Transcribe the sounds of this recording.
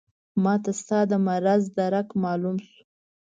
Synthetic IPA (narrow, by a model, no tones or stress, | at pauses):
mɑt̪ast̪ɑd̪əmaɾazd̪aɾakmɑlumsu̥